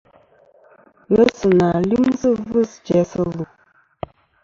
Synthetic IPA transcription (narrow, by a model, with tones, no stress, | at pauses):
ɣə˦sɨ˨na˨li˦mzɨ˦vɨ˦˨sd͡ʒɛ˨˦sə˦lu˨